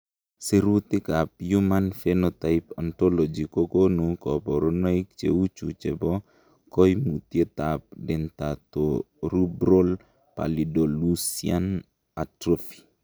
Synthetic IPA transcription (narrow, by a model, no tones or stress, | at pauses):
seɾut̪ɪkapjumanfenɔt̪ajpɔntɔlɔd͡ʒikokonukɔpɔɾɔnaik̚t͡ʃḛwut͡ʃṵt͡ʃɛbɔ | kɔjmut̪jet̪ap̚dɪnt̪at̪o | ɾubɾol | pa̰lidolusian | atɾofi̥